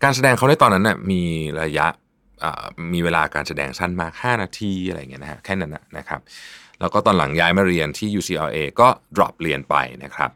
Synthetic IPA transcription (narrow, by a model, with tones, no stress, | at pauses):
kaː˧nsa˧dɛː˧ŋkʰa˦˥wda˥˩t̪ɔː˧nːa˦˥nːʔa˥˩miː˧ɾa˧ja˦˥ʔ | ʔə̰ː˨˩miː˧weː˧laː˧kaː˧nsa˧dɛ̰ː˧ŋsa˥˩nmaː˧kʰaː˥˩naː˧t̪ʰiː˧ʔa˧ɾa̰˧jŋi˦˥na˦˧kʰa˦˥kʰɛː˥˩na˦˥na̰˨˩na̰˦˥kʰa̰˦˥p̚lɛː˦˥wkɔː˥˩t̪ɔː˧nla̰˨˩˦ŋjaː˦˥jmaː˥˩ɾi˧ənt̪ʰiː˥˩juː˧siː˧˩ʔɔː˧ʔeː˧kɔː˥˩dɾɔ̰˨˩p̚ɾi˧ənpa̰˧jna̰˦˥kʰɾa̰˦˥p̚